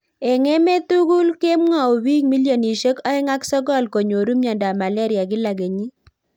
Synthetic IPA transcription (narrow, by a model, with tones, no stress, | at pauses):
ɛ˨ŋe˦me˦tu˦ɡu˦lke˦mŋa˨o˨wi˦ŋmi˦ljo˨ni˨ʃə˦kɔ˦ɛ˦ŋa˦ksɔ˦ɡɔ˦˨lko˨ɲo˨ɾu˦mja˨nda˨ma˨lɛ˦ɾja˨ɡɪ˦la˨ɡe˨ɲi˦